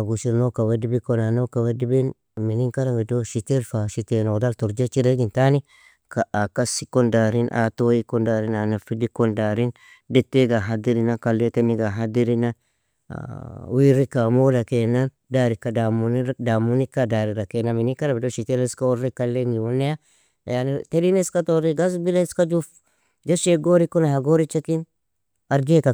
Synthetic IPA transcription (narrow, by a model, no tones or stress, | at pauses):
ɡusiɾnokawedibikonanokawedibin | miniŋkaɾabidoʃiteɾfaʃitenodaltuɾd͡ʒat͡ʃiɾeɡintani | kaakasi̥kondaɾinʔa̰tojikondaɾinanafidikondaɾin | detːeɡaɦad̪iɾinakalːetemiɡaɦadiɾina̰ | wiːrɪkamoːdɐkeːnːɐn | d̪aːɾɪkːɐd̪amʊnd̪aːmːʊnɪkːad̪aːɾɪɾɐkenːɐmɪnɪkɐɾɐbdoʃit̪ɛlɐɪskɐɔrɛkːɐlːeniwɔnːɛa | jant̪ɛɾinɪskɐt̪oɾiɡɐs̬bɪlɐɪskɐd͡ʒuf | d͡ʒɐʃeɡoːɾikːɔnɐhɐɡoːɾɪt͡ʃːɐt̪in | ɐɾɡeːkɐ